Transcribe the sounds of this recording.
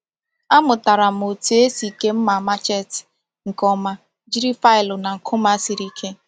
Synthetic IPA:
a˦mʊ˨ta˨ɾa˨m̩˨o˨tu˨e˦si˨ke˦m̩˦ma˨ma˦t͡ʃe˦˨tɪ̥˨ | ŋ̩˨kɔ˦ma˦ | d͡ʒi˦ɾi˦fa˦ɪ˨lʊ˨na˨ŋ̩˨kʰʊ˦ma˦si˨ɾi˦kʰe˦

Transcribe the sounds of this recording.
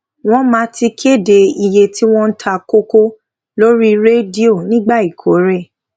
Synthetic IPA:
w̃ɔ̃˦mã˨˦ti˧kʰe˦˨de˧i˧je˧tʰi˦w̃ɔ̃˦n̩˦tʰa˧ko˦ko˦ | lo˦ɾi˦ɾe˦di˦o˦˨nĩ˦ɡ͡ba˦˨i˨kʰo˨˦ɾe˦˨

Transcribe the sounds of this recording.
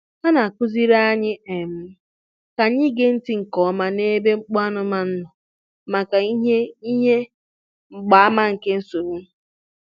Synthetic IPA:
ha˦na˨kʷʊ˦zi˦ɾa˦a˦ɲɪ˦e˨m̩˦ | ka˨ɲɪ˦ɡe˦n̩˦ti˦ŋ̩˨kɔ˨˦ma˦ne˦be˦ŋ͡m̩˦k͡pɔ˦a˦nʊ˦ma˨n̩˦nɔ˨ | ma˨ka˨i˦ɦe˦i˦ɲe˦ | ŋ͡m̩˨ɡ͡ba˨˦a˦ma˦ŋ̩˨ke˦n̩˦so˨ɾu˦

